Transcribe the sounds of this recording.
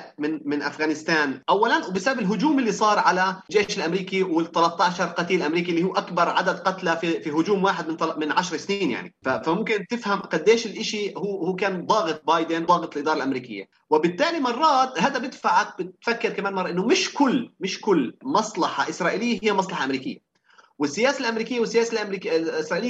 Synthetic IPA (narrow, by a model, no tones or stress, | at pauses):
mɪnmɪnʔa̰fɣaːnɪst̪aːnʔawːalanwbɪsababɪlɦʊd͡ʒuːmɪlːisˤɑːɾˤʕalad͡ʒeːʃɪlʔamɾiːkiwɪt̪ːɑlɑt̪ːɑːʃɑɾˤqɑt̪iːlʔamɾiːkilːihuːʔakbɑɾˤʕad̪ad̪qɑt̪lafifiɦʊd͡ʒuːmwaːħɪd̪̚mɪnt̪mɪnʕaʃɾˤsniːnja̰ʕnḭfafamʊmkɪnt̪ɪfhamqɑd̪ːeːʃɪlʔɪʃihuːhuːkaːnd̪ˤɑːɣɨt̪̚ˤbɑːjd̪ɪnðˤɑːɣɨt̪ˤlʔɪd̪ɑːɾˤɑlʔamɾiːkɪ̰jːa̰ | wɪbɪt̪ːaːlimɑrˤːɑːt̪haːd̪abɪd̪faʕak̚bɪt̪fakːɪɾkamaːnmɑrˤːʔɪnːʊmɪʃkʊlːmɪʃkʊlːmɑsˤlɑħa̰ʔɪsɾˤɑːʔɪːlɪjːahɪjːamɑsˤlɑħɑʔamɾiːkɪ̰jːa̰ | wɪsːɪjaːsalʔamɾiːkɪjːawɪsːɪjaːsalʔmɾiːkɪsɾɑːʔɪːlɪjː